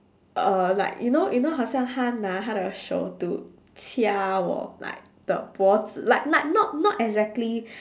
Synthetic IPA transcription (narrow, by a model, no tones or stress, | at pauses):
ʔəla̰ɪkjʔunojʔunoɦasãnhanaɦaɾəʃo̰tu | tʰiaɔ̰la̰ɪk̚d̥ə̰bɔtlaɪk̚laɪk̚nɔt̚nɔtɛɡzɛk̚tli